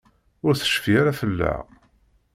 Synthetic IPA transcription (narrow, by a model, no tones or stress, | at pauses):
ʊɾθə̥ʃfiaɾafəlːa̰